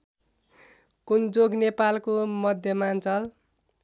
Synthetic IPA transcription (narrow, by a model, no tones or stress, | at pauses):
kund͡zoɡnepalkomʌd̪ʱjʌmant͡sʌl